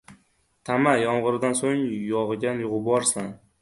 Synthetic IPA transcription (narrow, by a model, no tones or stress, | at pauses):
t̪ʰamajɒɴʁɨɾɪd̪ansoŋjɒʁɨɡʲanjʊʁɨbɒɾsan